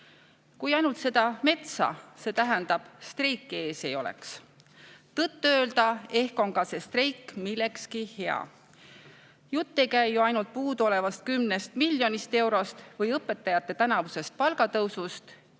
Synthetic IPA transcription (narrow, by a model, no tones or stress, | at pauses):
kujɑjnult̪se̞d̪̥ɑme̞t̪sɑ̰se̞ːt̪æɦend̪̥ɑb̥st̪rejkːˑe̞ːse̞jo̞lḛks | t̪ɤt̪ːuø̞ːld̪̥ɑe̞hko̞nkɑse̞st̪re̞jkːmilːe̞kskihe̞ɑ̰ | jut̪ːe̞jkæjːuɑjnult̪̚puːd̪o̞le̞vɑst̪̚kymnest̪milʲːjo̞nist̪e̞wɾo̞st̪vɤjɤpːˑe̞t̪ːˑɑjɑt̪ˑːe̞t̪ænɑvuse̞st̪̚pɑlɡɑt̪ɤwsust̪